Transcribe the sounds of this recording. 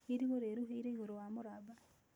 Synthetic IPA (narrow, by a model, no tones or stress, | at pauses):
iɾiɣoɾeːɾuɦeiɾeihuɾowamuɾaba